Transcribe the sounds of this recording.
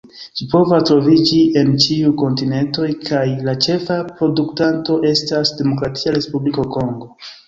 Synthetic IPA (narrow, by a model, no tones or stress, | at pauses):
ʃipo̞vastɾo̞vid͡ʒiʔe̞nt͡ʃiuko̞ntine̞nto̞jkʰajlat͡ʃe̞fapɾo̞duktanto̞ʔe̞stasdemo̞kɾatʰiaɾe̞spubliko̞ko̞ŋɡo̞